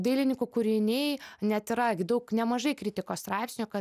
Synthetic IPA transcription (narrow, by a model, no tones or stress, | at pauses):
d̪ɐɪlʲɪnʲɪkukʊɾʲɪnʲɛjnʲɛt̪ɪɾɐɡʲɪd̪ɐʊknʲɛmɐʒɐɪkɾʲɪt̪ʲɪkoːsst̪ɾɑˑɪpʲsʲnʲukɐ